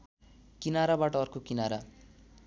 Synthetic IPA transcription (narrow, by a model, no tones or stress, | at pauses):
kinaɾabaʈʌʌrkokinaɾa